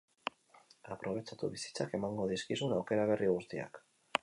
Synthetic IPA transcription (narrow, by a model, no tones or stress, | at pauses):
apɾʔo̞β̞e̞t͡ʃat̪uβisi̥t͡sake̞maŋɡo̞ðiskisunawke̞ɾaβ̞e̞rʔiɣust̪ia̰k